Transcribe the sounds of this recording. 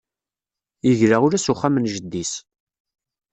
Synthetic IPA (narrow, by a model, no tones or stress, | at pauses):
jəʝɾaʁʊɾæsʊχːamənʒəd̪ːis